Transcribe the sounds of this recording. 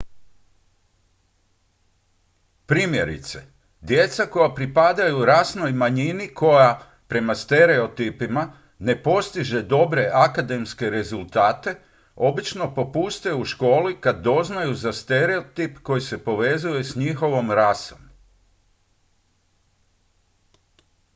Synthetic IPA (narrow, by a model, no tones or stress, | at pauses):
pɾiːmje̞ɾḭt̪se̞ | d̪je̞t̪sako̞japɾipad̪ajuɾasno̞jmaɲinikʰo̞ja | pɾe̞mast̪e̞ɾe̞o̞t̪ipima | ne̞po̞st̪iʒe̞d̪o̞bɾe̞ʔakad̪e̞mske̞ɾe̞zulˠt̪aːt̪e̞ | o̞bit͡ʃno̞po̞pust̪euʃko̞ːlikad̪ːo̞znajuzast̪e̞ɾe̞ot̪ipko̞jise̞po̞ʋe̞zuje̞sɲixo̞ʋo̞mɾaso̞m